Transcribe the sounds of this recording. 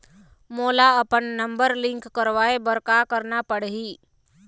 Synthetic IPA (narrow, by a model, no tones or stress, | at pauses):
moːlaəpənːə̃mbəɾlɪ̃ŋkːəɾʋaːebəɾkakəɾnapəɽɦiː